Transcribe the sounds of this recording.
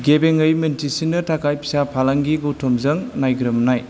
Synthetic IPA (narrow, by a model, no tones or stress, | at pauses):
ɡebeŋɯjmentisinːɯtʰakajpʰi̥sapʰalaŋɡiɡutʰomzɐŋnajɡɾɯmnaj